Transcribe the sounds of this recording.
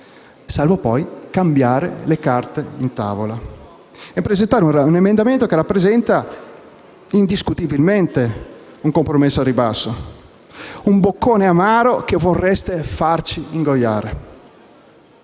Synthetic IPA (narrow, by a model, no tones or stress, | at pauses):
salvopɔjkambjaːɾḛlekart̪eint̪a̰ːvola | epːɾezent̪aːɾeuunemend̪ament̪okerapːɾezɛnt̪a | ind̪iskut̪ibilment̪e | uŋkompɾomesːoɾibasːo | umbokːoːneamaːɾokevorːɛst̪efart͡ʃiiŋɡojːaːɾe